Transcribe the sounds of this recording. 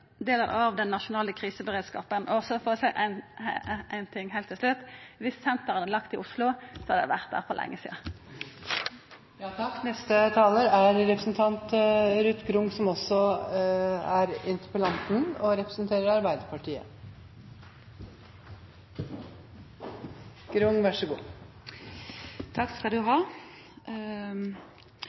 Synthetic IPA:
d̪eːləʁ̰ɑʋd̪ɛnːɑʃʊnɑːləkʰʁiːsəbəʁeːd̪skɑ̰ːpənɔɔsɔfoːʁsæɪʔæ̰n | æɪnt̪ʰɪŋːhæɪlt̪ʰːɪlslʉt̪ːʋɪssɛnt̪əʁənəlɑkt̪ɪʔʊslʊsɔhɑd̪æʋæ̰ʁt̪̚d̪æ̰ːʁpʰɔlʔɛ̰ŋːəsḭːd̪ə | ɑknɛst̪ət̪ʰɑːləɾæɾɾɛpɾəsn̩t̪ʰɑnt̪ɾʉt̪ɡɾʊŋsɔmɔsɔ | æɾɪnt̪ə̥pəlɑnt̪n̩ɔɾɛpɾəsnt̪ʰeːɾəɾɑɾbæɪd̪əɾpʰɑʈʰiːə̰ | ɡ̥ɾʊŋʋæʂəɡṵː | t̪ʰɑkskɑld̪ʉɦɑː

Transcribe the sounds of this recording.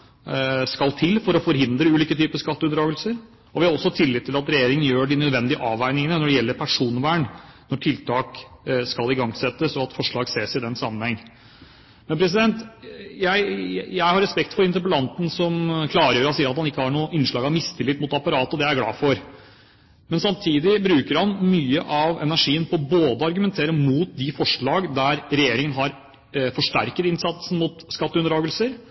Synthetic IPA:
skɑlt̪ʰɪlfɔɾɔfɔɾhɪnd̪ɾəʉːliːkət̪ʰyːpəskɑt̪ːəʉnd̪ɾɑːɡəlsəɾ | ɔʋɪhɑɾɔsːɔt̪ʰɪlːɪt̪ʰːɪlɑt̪ɾɛjeːɾɪŋənjøːɖɪnœd̪ʋɛnd̪ɪəʔɑːʋæɪnɪŋənənɔɖɛjɛlːəɾpʰæʂuːnʋæːɳnɔʈʰɪlt̪ʰɑːkskɑlɪɡɑŋsɛt̪ːəsɔɑt̪fɔʂɭɑːɡseːsɪd̪ɛnsɑmːənhɛŋː | mɛnpʰɾɛs̬ɪd̪ɛnt̪jæɪjæɪhɑɾːɛspɛk̚t̪fɔɾɪnt̪əɾpəlɑnt̪n̩sɔmkʰlɑːɾəjøːɾɑnsiːəɾɑt̪hɑnɪkːəhɑɳuːʔɪnʂɭɑːɡɑmɪst̪ʰɪlːɪt̪ːmʊt̪ɑpɑɾɑːt̪ɔd̪ɛæɾɡlɑ̰ːfɔɾ | mɛnsɑmt̪ʰiːd̪ɪbɾʉːkəɾhɑnmyːəʔɑʋɛ̰næʂiːənpʰɔboːd̪əɑɾɡʉmɛnt̪ʰeːɾəmuːt̪̚d̪ɪfɔʂɭɑːɡd̪æɾɾɛjeːɾɪŋənɦɑɾ | fɔʂʈæ̰ɾkət̪ɪnsɑt̪sən̩mʊt̪skɑt̪ːəʉnd̪ɾɑːɡəlsəɾ

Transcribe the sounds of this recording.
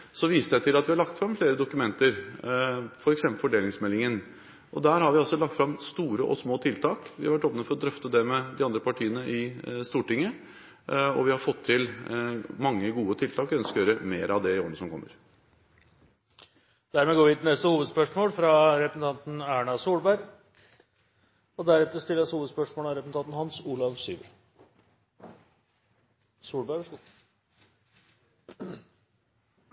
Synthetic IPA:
sɔʋiːsəsæt̪ɪlɑt̪ʋɪhɑɾɭɑk̚t̪fɾɑmfleːɾəd̪ʊkʉmɛnt̪əɾ | fɔɾɛksɛmpəlfɔɖeːlɪŋsmɛlːɪŋən | ʔɔd̪æːɾhɑɾʋɪɔsːɔlɑk̚t̪fɾɑmst̪uːɾəʔɔ̰smoːt̪ʰɪlt̪ʰɑːkʋɪhɑɾʋæʈːoːpnəfɔɾɔd̪ɾœft̪əd̪ɛmɛd̪ɪɑnd̪ɾəpɑʈʰiːənəʔɪst̪uːʈɪŋːə | ɔ̰ʋɪhɑɾfɔt̪ʰːɪl | mɑŋːəɡuːət̪ʰɪlt̪ʰɑːkœnskəjøːɾəmeːɾəɑʋd̪ɛɪoːɾənəsɔmkʰɔmːəɾ | d̪̥æɾmɛɡoːɾʋɪt̪ɪnɛst̪əhuːʋəd̪spœʂmoːlfɾɑɾɛpɾəsn̩t̪ʰɑnt̪n̩æːɳɑsuːɽbæɾ | ɔd̪æɾɛt̪ːəɾʂt̪ɪlːshuːʋəd̪spœʂmoːlɑɾɛpɾəsn̩ʰɑnt̪n̩hɑnsuːlɑʋsy̰ːʋəɾ | suːɭbæɾɔu

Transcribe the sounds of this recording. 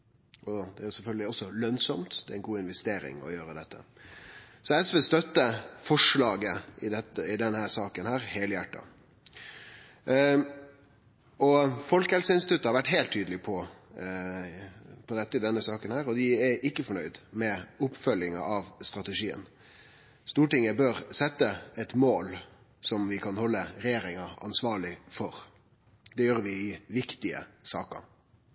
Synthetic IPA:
ɔd̪ɛæːɾjʊsɛlfœlɡəlɪɔsːɔlœnsɔmt̪d̪ɛæɪnɡuːɪnʋɛst̪eːɾɪ̰ŋɔ̰jøːɾəd̪ɛt̪ʰːə̰ | sɔɛsʋɛst̪œt̪ːəfɔʂlɑːɡəɪd̪ɛt̪ːəɪd̪ɛnhæːɾsɑːkənhæːɾheːləjæʈːɑ̰ | ɔfɔlkəhɛlsəɾɪnsɪt̪ʰʉt̪ːəhɑɾʋæʈːɦeɪlt̪ʰːyːd̪lɪpʰɔ | pʰɔd̪ɛt̪ːəɪd̪ɛnːəsɑːkənhæːɾɔd̪ɪæʔɪkːəfɔɳœʏd̪mɛʊpfœljɪŋɑ̰ʔɑʋst̪ɾɑt̪ɛʂiːə̰n | st̪uːʈɪŋəbøːɾsɛt̪ːəɛt̪moːl | sɔmʋɪkʰɑnhɔlːəɾɛjeːɾɪŋɑɑ̰nsʋɑːɭɪfɔɾ | d̪ɛjøːɾʋɪɪʋɪkt̪ɪə̰sɑ̰ːkɑ̰

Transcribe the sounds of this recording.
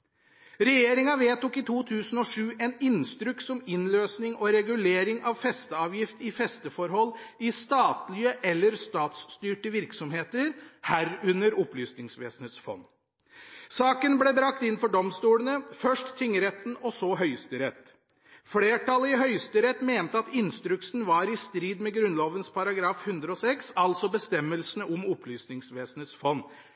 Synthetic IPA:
ɾɛjeːɾɪŋɑʋeːt̪ukɪt̪ʰuːt̪ʰʉːsən̩ɔʂʉːʔɛnɪnst̪ɾʉksɔmɪnløːsnɪŋɔɾɛɡʉleːɾɪŋɑʋfɛst̪əɑːʋjɪft̪ɪfɛst̪əfɔɾɦɔlːɪst̪ɑːt̪lɪəʔɛlːəɾst̪ɑːt̪st̪yːʈəʋɪɾksɔmheːt̪əɾhæɾʉnːəɾɔplyːsnɪŋsʋḛːsən̩ət̪sfɔ̰nː | sɑːkənblɛbɾɑk̚t̪ɪnfɔɖɔmst̪uːlənəfœʂʈt̪ʰʏŋːəɾɛt̪n̩ɔsɔɦœʏst̪əɾɛt̪ | fleːʈɑlːəɪɦœʏst̪əɾɛt̪meːnt̪əɑt̪ɪnst̪ɾʉksn̩ʋɑːɾɪst̪ɾiːd̪mɛɡɾʉnloːʋənspʰɑɾɑɡɾɑːfhʉnd̪ɾəɔsɛksɑlt̪sɔbəst̪ɛmːəlsənəɔmɔpʰlyːsnɪŋsʋeːsn̩ət̪sfɔnː

